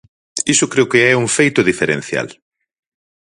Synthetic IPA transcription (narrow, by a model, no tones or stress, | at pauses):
isʊkɾeʊkeɛuŋfejt̪ʊðifeɾḛ̃n̟θja̰l